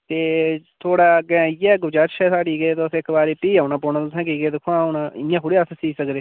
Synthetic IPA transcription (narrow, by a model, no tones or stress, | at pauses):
t̪eːt̪ʰoːɽaːɡɛ̃ːjɛːɡʊd͡ʒaːɾʃɛːsaːɽiːɡet̪osɪkbaːɾeːpiːaːʊnãːpoːnãːt̪ʊsʰɛ̃ːkiːɡeːd̪ɪkʰːoãːnãːɪjãːkʰʊɽiːəssiːsəkɾeː